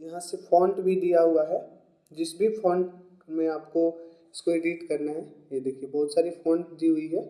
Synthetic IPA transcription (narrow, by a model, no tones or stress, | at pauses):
jɐɦãsefɔ̃ːɳɖbʱid̪ijaɦuaɦɛː | d͡ʒɪsbʱifɔ̃ːɳɖ | mẽaːpko | ɪskoeːɖiʈkɐɾnaɦɛjed̪eːkʰiebɐɦʊt̪saːɾifɔ̃ːɳɖd̪iːɦʊiɦɛː